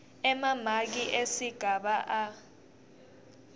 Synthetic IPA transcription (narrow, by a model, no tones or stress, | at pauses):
ɛmamak̬iʔesiɡ̥ʱaɓaʔa